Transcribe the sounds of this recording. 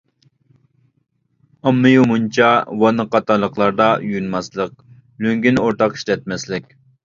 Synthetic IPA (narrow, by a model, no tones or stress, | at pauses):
ɑmːɨjumunt͡ʃʰɑwɑnɨqɑt̪ɑlˠːəqlˠɑɾd̪ɑjynmɑslˠəq̚ | løŋɡʲinoɾt̪ʰɑqi̥ʃlɛt̪̚mɛslɪkʲ